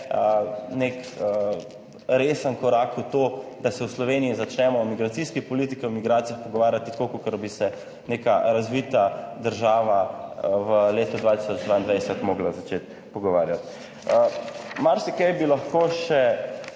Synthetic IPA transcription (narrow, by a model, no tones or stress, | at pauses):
ənekə | ɾeːsənkɔɾakut̪oːd̪asɛwslɔʋeniizat͡ʃnɛmɔwmiɡɾat̪siskipɔlit̪ikiwmiɡɾaːt̪ijaxpɔɡɔʋaːɾjat̪ikokokəɾbisɛ | neːkaɾazʋit̪ad̪əɾʒaːʋaʋəleːt̪ɔd̪ʋaːt̪i̥sɔd͡ʒd̪ʋaːind̪ʋajsɛt̪moːɡlazat͡ʃet̪ | pɔɡɔʋaːɾjat̪ | əmaɾsikɛjbilaxkoːʃɛ